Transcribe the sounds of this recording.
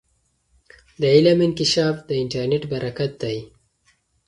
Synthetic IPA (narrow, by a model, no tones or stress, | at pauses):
d̪əɪlamɪnkɪʃɑːfd̪əɪɳʈaɾneʈbaɾʔakat̪̚d̪aj